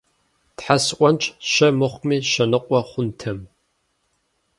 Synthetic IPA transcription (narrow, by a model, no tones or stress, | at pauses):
tħasʔʷɔnt͡ʃʼʃɐmɨχʷmiːʃɐnɨqʷʼɔχʷʊntʰɐm